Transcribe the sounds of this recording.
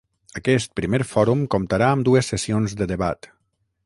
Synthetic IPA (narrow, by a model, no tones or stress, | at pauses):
əkɛst̪̚pɾimeɾfɔɾumkomt̪aɾaəmd̪uesːəsionzd̪əðəβat̪